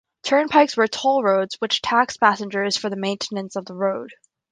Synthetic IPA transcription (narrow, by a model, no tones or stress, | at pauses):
tʰɜ̃˞npʰaɪkswə˞tʰolˠɹoʊdzwɨt͡ʃtʰækspʰæsɨ̃nd͡ʒə˞z̥fə˞ðəmẽɪ̃ntʰɨnɨ̃nsʌvðəɹoʊd̥